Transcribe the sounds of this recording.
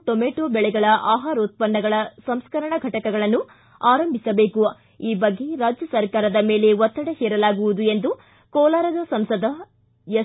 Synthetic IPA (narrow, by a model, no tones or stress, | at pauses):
ʈ̪omeːʈoːbɛɭɛɡɐɭɐʔaːɦaːɾɐut̪̚pɐnːɐɡɐɭɐsɐmskɐɾɐɳɐɡʱɐʈɐkɐɡɐɭɐnːu | aːɾɐmbʱisɐbeːku | iːbɐɡːe̞ɾaːd͡ʒjɐsɐɾkaːɾɐd̪ɐme̞ːle̞ʋɔt̪ːɐɽehɛːɾɐlaːɡuʋud̪ue̞nd̪u | kɔːlaːɾɐd̪ɐsɐmsɐd̪ʱɐ | jɐ